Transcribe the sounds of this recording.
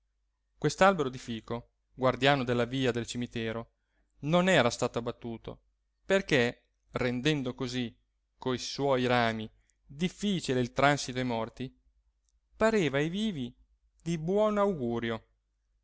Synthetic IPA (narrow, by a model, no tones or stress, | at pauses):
kwest̪oalbeɾod̪ifiːko | ɡward̪jaːnod̪elːaviːad̪elt͡ʃimit̪ɛːɾo | nonɛːɾast̪aːt̪oabːat̪ːuːt̪o̰ | perke | rend̪ɛnd̪okozi | kojswɔːjɾaːmi | d̪ifːiːt͡ʃileilt̪ɾansit̪oajmɔrt̪i | paɾeːvajviːvi | d̪ibwɔnawɡuːɾjo